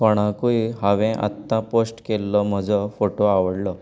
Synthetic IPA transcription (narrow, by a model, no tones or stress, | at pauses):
kɔɽ̃ãkuiɦaʋɛ̃ʔa̰t̪ːãposʈkelːɔm̤əd͡zɔfoʈoaʋəɽlɔ